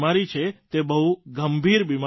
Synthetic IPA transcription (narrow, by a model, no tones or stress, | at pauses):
maɾit͡ʃʰet̪ebəɦuɡəmbʱiɾbima